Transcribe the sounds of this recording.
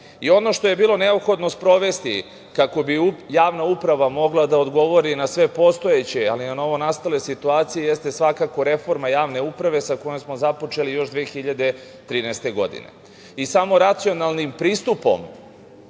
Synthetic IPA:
io̞no̞ʃt̪o̞je̞biːlˠo̞ne̞opxo̞d̪no̞spɾo̞ʋe̞st̪i | kako̞bijaːʋnaupɾaʋamo̞ɡlˠad̪aod̪ɡo̞ʋo̞ɾinasʋe̞po̞st̪o̞je̞t͡ɕealinano̞ʋo̞nast̪ale̞sit̪uaːt̪sijejest̪esʋakako̞ɾe̞fo̞ɾmajaːʋne̞upɾaʋe̞sakojemsmozapo̞t͡ʃe̞lijo̞ʃd̪ʋexiʎad̪e̞ | t̪ɾiːnɛst̪e̞ɡo̞̰d̪ḭne̞̰ | isamo̞ɾat̪sio̞nalˠnimpɾiːst̪upo̞̰m

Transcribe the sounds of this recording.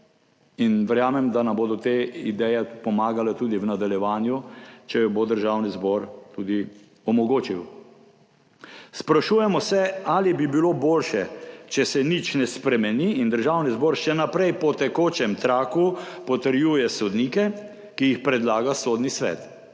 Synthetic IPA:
inʋɛɾjaːmɛmd̪anamboːd̪ɔt̪eid̪ɛjɛpɔmaːɡalɛt̪uːd̪iwnad̪aljɛʋaːnjut͡ʃɛjɔbod̪əɾʒawnizbɔɾt̪uːd̪i | ɔmɔɡoːt͡ʃiw | spɾaʃuːjɛmɔsɛaːlibibiloboːlʃɛt͡ʃɛsɛnit͡ʃnɛspɾɛmɛniːnd̪əɾʒaːwnizbɔːɾʃɛnapɾɛjpɔt̪ɛkoːt͡ʃɛmt̪ɾaːkupɔt̪əɾjuːjɛsɔd̪niːkɛ | kijixpɾɛd̪laːɡasod̪nisʋɛ̰ːt̪

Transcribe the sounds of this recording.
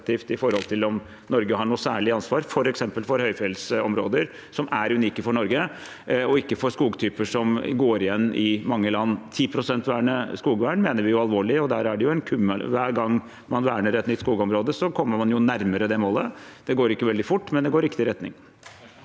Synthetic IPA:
t̪iːft̪ɪfɔɾhɔlt̪ʰɪlɔm | nɔɾɡəhɑɳuːsæːɭɪɑnsʋɑːɾfɔɾɛksɛmpəlfɔɾhœʏfɛlsɔmɾoːd̪əɾ | sɔmæɾʉniːkəfɔɳɔɾɡə | ɔɪkːəfɔɾskuːɡt̪ʰyːpəʂɔmɡoːɾɪjɛnːɪmɑŋːəlɑnːt̪ʰiːpʰɾʊsɛnt̪ʋæːɳəskuːɡʋæːɳmeːnəɾʋɪjʊɑlʋoːɭɪɔd̪æːɾæɖɛjʊɛnkʰʉmːəlʋæːɾɡɑŋː | mɑnʋæːɳəɾɛt̪nʏt̪skuːɡɔmɾoːd̪əsɔkʰɔmːəmɑnjʊnæɾməɾəd̪ɛmoːləd̪ɛɡoːɾɪkːəʋɛld̪ɪfʊʈːmɛnd̪ɛɡoːɾɪkːt̪ɪɾɛt̪nɪ̰ŋ

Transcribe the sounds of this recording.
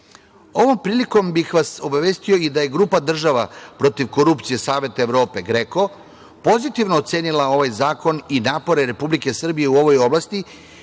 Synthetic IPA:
o̞ʋo̞mpɾiːliko̞mbixʋaso̞baʋeːst̪ijo̞id̪aje̞ɡɾuːpad̪r̩ʒaʋapɾo̞t̪iʋko̞ɾupt̪sije̞saːʋe̞t̪aeʋɾo̞ːpe̞ɡɾe̞ko̞ | po̞zit̪iʋno̞ːt̪se̞ːnilao̞ʋajzaːko̞ninaːpo̞ɾeɾe̞publike̞sr̩bije̞uo̞ʋo̞jo̞blast̪i

